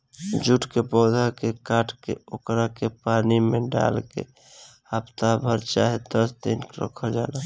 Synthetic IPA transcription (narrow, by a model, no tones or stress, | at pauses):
d͡ʒuʈkepɔːd̪ʱakekaːʈʰkḛokɾakepaːnimẽɖa̰lkḛ | apt̪abʱəɾt͡ʃaːɦed̪əsd̪inkɾə̰kʰəld͡ʒaːla